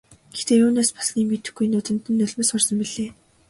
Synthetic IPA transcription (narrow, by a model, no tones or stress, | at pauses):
ɡ̥ext̪eːuːneːspḁsniːŋmet̪ɘ̆xɡujnʊt̪ɵ̆n̥t̪ɘ̆nːɵɮmeːsχʊrsə̆mpiɮeː